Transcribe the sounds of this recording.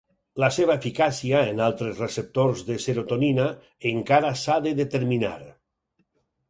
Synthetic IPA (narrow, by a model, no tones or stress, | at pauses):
laseβaefikasiaenalˠt̪ɾezresep̚t̪oɾzðeseɾot̪onina | eŋkaɾasaðeðet̪eɾmina̰ɾ